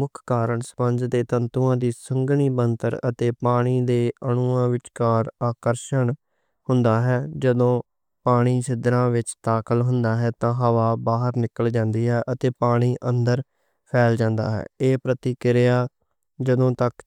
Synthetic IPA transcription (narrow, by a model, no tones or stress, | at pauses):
mʊkʰkaːɾəɳsə̥pəɲd͡ʒd̪eːt̪ənt̪uãːd̪iːsəŋɡniːbənt̪əɾə̰t̪eːpaːɽ̃iːd̪eːʔəɳ̃ʊːãːʋɪt͡ʃkaːɾaːkəɾʃəɳ | hʊnd̪aːɦɛːd͡ʒəd̪õː | paːɽ̃iːsɪd̪ɾãːʋɪt͡ʃt̪aːkəlɦʊnd̪aːɦɛːt̪ãːɦəʋaːbaːɦəɾnɪkəld͡ʒãːnd̪iːɦɛːʔət̪eːpaːɽ̃iːʔənd̪əɾ | pʰɛːld͡ʒãːnd̪a̰ːɦɛ̰ːeːpɾət̪iːkɪɾjaː | d͡ʒəd̪õːt̪ək